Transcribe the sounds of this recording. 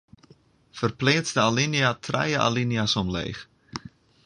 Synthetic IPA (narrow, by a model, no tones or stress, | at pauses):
fərplɪːsdəalinjatʰrɛ̰jəʔa̰liniasɔmlḛːx